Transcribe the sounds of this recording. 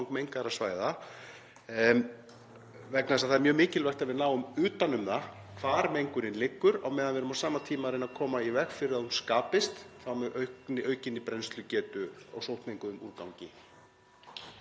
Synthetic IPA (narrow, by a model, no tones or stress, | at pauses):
ŋkmejŋkaɾasvaːjða | vɛknaðsaðθaɛɾmjœːmɪːcɪlvɛr̥t̪aðvɪðnaːwʏmʏːt̪anʏmða | kʰv̥aːɾmejŋkʏɾɪnlɪkːʏɾawmɛːðanvɛɾʏmawsaːmat̪ʰiːmaɾejnakʰɔːmaivɛxfɪɾɪðaðunskaːpɪst̪θawmɛʔœɥnɪʔœɥcɪnːɪpɾejnst̪lʏcɛːt̪ʏɔ̰ɣsowht̪nejŋkʏʏmṵɾkawɲcɪ